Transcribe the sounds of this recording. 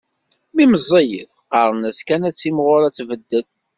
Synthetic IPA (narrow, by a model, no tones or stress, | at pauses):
miməzˤejəθqɑɾˤənæskænæt͡sːimʁʊɾæt͡sːvəd̪ːəl